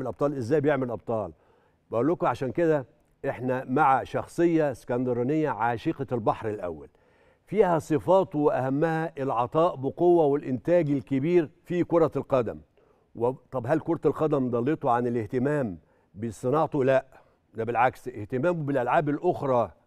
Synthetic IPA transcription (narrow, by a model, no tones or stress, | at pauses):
lʔɑb̚t̪ˤɑːlʔɪzːæːjbejeʕmɪlʔɑb̚t̪ˤɑːl | bæʔuːlːʊkʊʕaʃæːnked̪æ | ʔeħnæmaʕaʃɑxsˤɨjːɑskænd̪ɑɾˤɑnɪjːæʕaʃiːqɑlbɑħɾɪlʔæ̰wːæ̰l | fiːhæsˤɨfɑːt̪ˤwɪʔæhæmːæhæʔɪlʕɑt̪ˤɑːʔbɪqowːæwɪlʔɪnt̪æːɡɪlkɪbiːɾfikoɾˤɑlqɑd̪æ̰m | wɪt̪ˤɑbɦælkoɾˤɑt̪lqɑd̪æmd̪ˤɑlːet̪ˤuʕanɪlɪht̪ɪmæːm | bɪsˤːɨnɑʕt̪ˤulæʔ | d̪æbɪlʕakseht̪ɪmæːmubɪlʔælʕaːbɪlʔoxɾˤɑː